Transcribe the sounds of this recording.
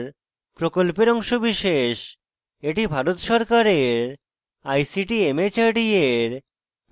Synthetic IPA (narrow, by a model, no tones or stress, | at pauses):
ɾ | pɾokolpeɾɔŋʃobiʃeʃ | eʈibʱaɾot̪ʃɔɾkaɾeɾ | ajsiʈiemet͡ɕaɾɖieɾ